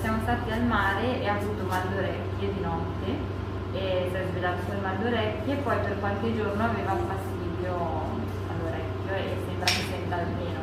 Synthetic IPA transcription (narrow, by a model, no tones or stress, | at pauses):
sjaːmost̪aːt̪ialmaːɾeeavuːt̪omand̪oɾɛkʲːed̪inɔt̪ːe | epɛbed̪alsuːemand̪oɾɛkːepɔjperkwalked͡ʒornoaveːvauɱfast̪iːd̪jo | a̰lːoɾɛkʲːjoḛsembɾaketɛnd̪almeːno